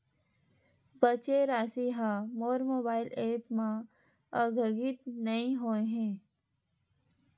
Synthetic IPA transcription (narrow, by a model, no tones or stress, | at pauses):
bət͡ʃeɾaːsiɦãːmoːɾmoːbaːɪlʔeːpmã | əɡʱəɡɪt̪nɐĩɦoːeɦɛ̃ː